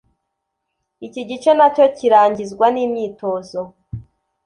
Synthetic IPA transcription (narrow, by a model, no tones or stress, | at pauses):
iciɟit͡ʃe̞naco̞ciɾaːɲɟizɡwaniːmɲiːto̞ːzo